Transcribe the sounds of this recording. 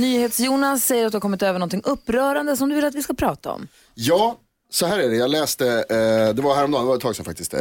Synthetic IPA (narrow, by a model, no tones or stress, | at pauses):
nyːheːt̪sjuːnasːɛjːəɾat̪d̪ɵhakɔmːɪt̪øːvəɳɔnt̪ʰɪŋːʔɵpːɾœːɾand̪əsɔmd̪ɵvɪlat̪vɪskapʰɾɑːt̪aɔ̰m | jɑː | sɔhæːɾæɖɛjɑːɡlɛːst̪əd̪ɛvaɾhæːɾɔmd̪ɑːnd̪ɛvaɾɛt̪ʰːɑːɡsɔmfa̰k̚t̪ɪst̪ɛ̰